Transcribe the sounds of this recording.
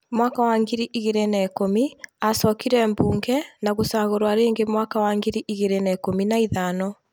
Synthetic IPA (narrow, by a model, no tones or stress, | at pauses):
mwakawaːŋɡiɾiʔiɣeɾenɛːkomiasɔkiɾɛmbuːŋɡɛnaɣosaːɣoɾwaɾeːŋɡemwakawaŋɡeɾiʔiɣeɾenɛkominaiðanɔ